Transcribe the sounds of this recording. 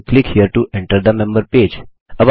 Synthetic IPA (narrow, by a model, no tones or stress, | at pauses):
klɪkhiəɾʈuɛ̃ɳʈəɾd̪əmɛ̃mbəɾped͡ʒ | əʋ